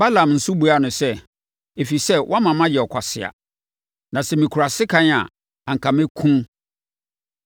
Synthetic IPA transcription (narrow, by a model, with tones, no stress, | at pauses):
ba˦lã˨mn̩˨su˦bu˨a˦˨nʊ̃˨sɛ˦ | e˨fi˨sɛ˦wʔɔ˦a˦mã˨mã˦jɛ˨ɔ˨kʰa˨sɪ˨a̰˨ | nã˨sɛ˨mĩ˨kʰu˨ɾa˨sɪ˦kʰã˦n˦a̰˨ | ã˨ŋ̩˨kʰã˨mẽ˦kʰũ˦